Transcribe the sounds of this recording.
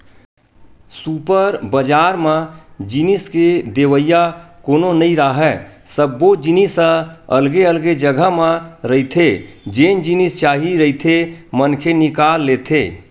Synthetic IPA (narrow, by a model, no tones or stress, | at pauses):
supəɾbəd͡ʒaɾmẽd͡ʒinisked̪eʋəjakononəiɾəɦɛsəbːod͡ʒinisə̃əlɡeəlɡed͡ʒəɡʱəmẽɾəit̪ʰed͡ʒend͡ʒinist͡ʃaɦiɾəit̪ʰemənkʰenikalːet̪ʰe